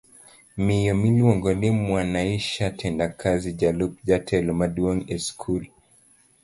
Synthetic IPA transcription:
mijɔmiliwɔŋɡɔnimwanaiʃatʰɛndakʰazid͡ʒalup̚d͡ʒatʰɛlmaduɔnɛskʰul

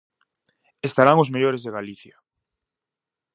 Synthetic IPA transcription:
est̪aɾaŋʊzmeʎoɾezðeɣaliθja

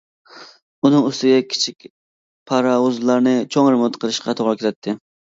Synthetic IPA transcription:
unɨŋøst̪ɪɡʲɛkʲʰi̥t͡ʃʰik̚ʲ | pʰɑɾɑwuzlˠɑɾnɨt͡ʃʰoŋɾɪmʊt̪qʰəɾˠɨʃqʰɑt̪ʰoʁɾɨkʲɪɾɛt̪ʰːɪ

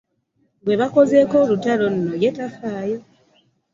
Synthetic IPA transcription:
bwe̞βako̞ze̞ko̞lutalo̞n̩ːojetafaːjo

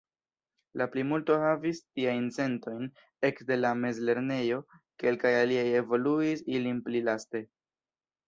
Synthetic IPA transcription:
laplimulto̞havistiajnt͡se̞nto̞jn | e̞kde̞lame̞zle̞ɾne̞jo̞ke̞lkajaliaje̞vo̞luisilinplilaste̞

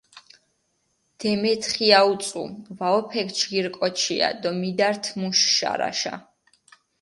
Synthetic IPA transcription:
d̪̥ɛmɛt̪ʰχiaut̪sʼṵvaɔpʰɛkʰt͡ʃɡiɾkʼɔt͡ʃʰia̰d̪ɔmid̪aɾt̪ʰmuʃʃa̰ɾa̰ʃa̰

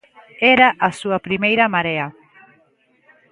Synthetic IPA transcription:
eɾaʔasuɐpɾimejɾɐmaɾeɐ

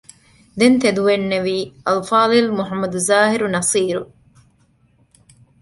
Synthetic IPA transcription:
d̪ent̪ed̪uʋenːeʋiːɐlfaːlilmuɦɐmːɐd̪uzaːɦiɾunɐsiːɾu

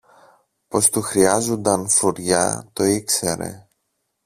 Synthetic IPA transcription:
po̞st̪uxɾiɐzond̪ɐnfoɾʝɐ̰t̪o̞ikse̞ɾe̞̰

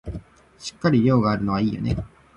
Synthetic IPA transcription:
ɕi̥kːaɾʲiɾʲo̞ːɡaːɾɯ̟no̞βaiːjo̞̰ne̞̰

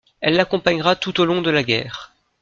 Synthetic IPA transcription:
ɛlːakɔ̃paɲʁat̪ut̪olɔ̃d̪əlaɡʲɛ̰ːʁ

